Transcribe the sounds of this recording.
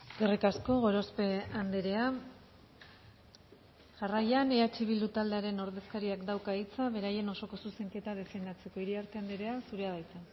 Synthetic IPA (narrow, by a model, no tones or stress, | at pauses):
ɡerikasko̞ɣo̞ɾospe̞and̪eɾe̞a | ʝarajaneat͡ʃiβild̪ut̪ald̪e̞aɾe̞no̞ɾðe̞skaɾiakd̪awkait͡saβe̞ɾaje̞no̞so̞ko̞suse̞ŋke̞t̪aðe̞fe̞ɣnd̪at͡se̞ko̞iɾiaɾt̪e̞and̪eɾe̞asuɾeaðajt͡sa